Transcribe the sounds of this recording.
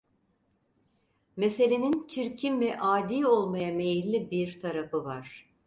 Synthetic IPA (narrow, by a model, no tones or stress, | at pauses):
me̞se̞lʲe̞nint͡ʃʰiɾcʰimvɛʔaːd̪iːo̞lˠmajame̞jilʲːibiɾt̪ʰaɾafɯvaɾ̥